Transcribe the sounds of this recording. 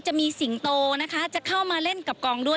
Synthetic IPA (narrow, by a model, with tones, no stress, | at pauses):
t͡ɕa˨˩ʔmiː˧si˩˦ŋt̪oː˧na˦˥kʰa˦˥t͡ɕa˨˩kʰa˥˩wmaː˧le˥˩nka˨˩p̚kɔː˧ŋdu˥˩ə